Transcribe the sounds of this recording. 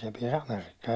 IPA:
se piɛs ɑmerikːɑː

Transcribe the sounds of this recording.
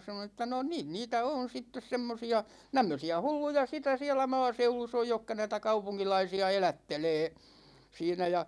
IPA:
sɑnon ĕtːæ no niːn niːtæ on̞ sitːes semːosiɑ tæmːøsiæ hulːujɑ sitæ siælæ mɑːseulus oj jokːɑ næitæ kɑupuŋkilɑisiɑ elætːeleː siːnæ jɑ

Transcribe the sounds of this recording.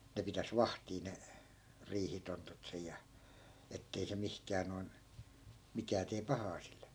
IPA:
ne pitæs ʋɑhtiː ne riːhitontut sej̆ jɑ etːei se mihkæː noi̯n mikæː teː pɑhɑː silːe

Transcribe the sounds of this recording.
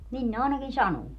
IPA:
nin ne ɑˑi̯nɑkin sɑnuː

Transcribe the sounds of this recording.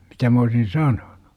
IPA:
mitæ m oːsin sɑnon̥u̥

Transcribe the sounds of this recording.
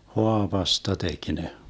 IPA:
hoɑʋɑstɑ tek ne

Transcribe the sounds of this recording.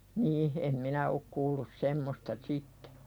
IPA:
niːh em minæ ok kuːlːus semːostɑ sitːe̥

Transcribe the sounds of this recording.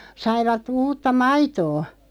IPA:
sɑiʋɑt uːtːɑ mɑitoː

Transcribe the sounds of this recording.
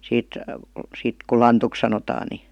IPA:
siːt siːt ku lɑntuk sɑnotɑː ni

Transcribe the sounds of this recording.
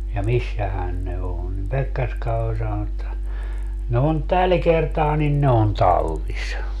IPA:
jɑ misːæhæn ne õː nim pekːerskɑ olʲ sɑnon etːæ ne on tæl kertɑː nin ne on tɑlːis

